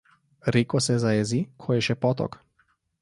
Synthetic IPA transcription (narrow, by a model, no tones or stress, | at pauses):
ɾikɔsɛzaɛzikʰɔjɛʃɛpɔt̪ɔ̰k